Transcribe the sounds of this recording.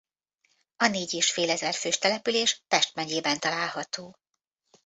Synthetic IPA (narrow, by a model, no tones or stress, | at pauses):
ɒneːɟeːʃfeːlɛzɛrføːʃt̪ɛlɛpyleːʃpɛʃt̪mɛɲeːbɛnt̪ɒlaːlhɒt̪oː